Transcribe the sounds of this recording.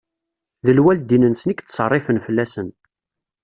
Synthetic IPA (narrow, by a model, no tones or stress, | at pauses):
ðəlwæld̪inənsənikt̪ːsˤərˤːɪfənfəlːæsən